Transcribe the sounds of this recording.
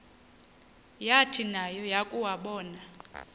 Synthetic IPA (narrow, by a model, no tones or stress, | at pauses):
jatʰinajɔjakʼuwaɓɔːna